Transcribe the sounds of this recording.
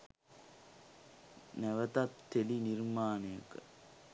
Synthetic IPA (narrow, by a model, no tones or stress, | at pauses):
næʋət̪ɐt̪ːelinirmaːnɐjɐkə